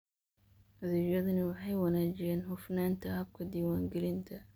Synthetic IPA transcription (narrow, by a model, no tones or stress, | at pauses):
ɐðiːɐðɐnɪwɑħɑjwɐnaːt͡ʃɪjɛːnɦʊfnaːnt̪ʰɐhɐb̚kʰɐd̪iːwaːŋɡɛlɪnt̪ʰɐ